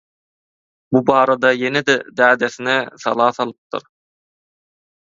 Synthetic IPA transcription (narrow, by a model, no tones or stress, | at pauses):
bubɑːɾɑd̪ɑjened̪ɛd̪æːd̪eθinɛθɑ̰lˠɑːθɑlˠɯp̚t̪ɯ̰ɾ